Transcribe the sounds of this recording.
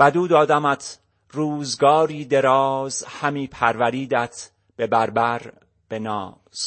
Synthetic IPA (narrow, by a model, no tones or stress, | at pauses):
æd̪uːd̪ɒːd̪æmæt̪ʰ | ruːzɡɒːɾiːd̪e̞ɾɒːzhæmiːpʰæɾvæɾiːd̪æt̪ʰ | b̥e̞bæɾbæɾ | b̥e̞nɒ̰ː | s